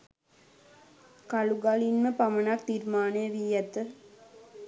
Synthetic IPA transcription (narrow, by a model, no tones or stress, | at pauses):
kaluɡalinməpamənakt̪irmaːnəjəʋiːjɐt̪ə